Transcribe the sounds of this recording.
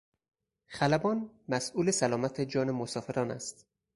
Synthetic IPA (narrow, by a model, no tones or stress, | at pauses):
xælæbɒːnmæsuːlesælɒːmæt̪ʰed͡ʒɒːnemosɒːfe̞ɾɒːnæ̰st̪